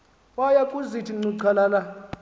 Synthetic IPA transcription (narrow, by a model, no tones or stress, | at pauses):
wajakʼuzitʰiŋ͡ǀuǀʰalala